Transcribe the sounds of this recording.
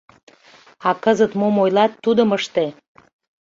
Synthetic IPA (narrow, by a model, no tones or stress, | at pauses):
ɑkəzət̪momojlɑt̪ːud̪əməʃt̪e